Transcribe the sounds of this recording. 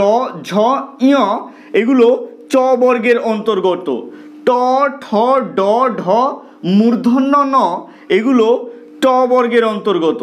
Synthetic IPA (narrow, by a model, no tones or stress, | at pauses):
ɔd͡ʑʱɔiɔ | eɡulot͡ɕɔbɔɾɡeɾɔnt̪oɾɡɔt̪o̰ | ʈɔʈʰɔɖɔɖʱɔ | muɾd̪ʱonːɔnɔ | eɡulo | t͡ɕɔbɔɾɡeɾɔnt̪oɾɡɔt̪o